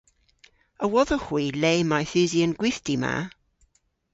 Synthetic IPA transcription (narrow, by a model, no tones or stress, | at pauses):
əwɔðəhwiːleːmajθʉːziənɡwɪθdima̰